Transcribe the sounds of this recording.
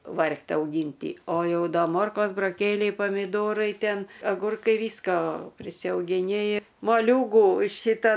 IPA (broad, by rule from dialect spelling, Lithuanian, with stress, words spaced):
ˈʋɐrktʲ ɐʊˈɡʲiːnʲtʲiː oː ˈjɛʊ ˈdɐ ˈmoːrkoːs bʊroːˈkʲeːlʲɛɪ pɐmʲɪˈdoːrɐɪ ˈtʲɛn ɐˈɡʊrkɐɪ ˈʋʲiːskoː pʲrʲɪsʲɛʊɡʲɪˈnʲɪ moːˈlʲuːɡuː ˈʃʲɪtɐ